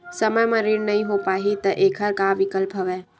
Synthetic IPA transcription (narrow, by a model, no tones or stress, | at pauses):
sɐməjmɐ̃ɾiːɾnɐɦĩɦoːpaːɦit̪ɐʔeːkʰəɾkaʋɪkəlpɦɐʋeː